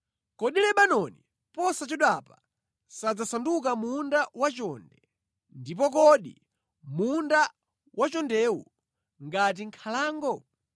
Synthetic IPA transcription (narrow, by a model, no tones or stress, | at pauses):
kɔɗilɛɓanɔni | pɔsat͡ʃɔɗapḁ | sad͡zasanduk̬amundawat͡ʃɔndɛ | ndip̬ɔk̬ɔɗi | munda | wʔat͡ʃɔndɛwṵ | ŋɡat̬iŋkʰalaːŋɡɔ